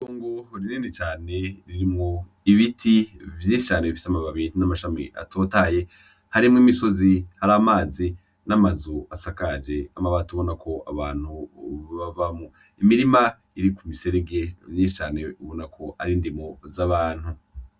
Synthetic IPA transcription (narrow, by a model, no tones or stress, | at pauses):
koːŋɡoɾiniːndit͡ʃaːne̞ɾiɾimŋo | iβitʰivjiːʃi̥t͡ʃaːneβifi̥samaβaβinamaʃamḛʔa̰tʰo̞ːtaːje̞ | haɾimŋimiso̞zihaɾamaːzi | namazoasakad͡ʒe̞amaβatuβo̞nakʰo̞ʔaβaːn̥huβavamu | imiɾima | iɾikumise̞ɾeɡe̞vjiːʃi̥t͡ʃaːne̞uβo̞nakʰo̞aɾiːndimozaβaːn̥hu